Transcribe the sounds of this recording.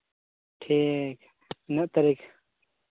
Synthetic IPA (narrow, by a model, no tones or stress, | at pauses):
ʈʰik | nɐʔt̪ɐɾik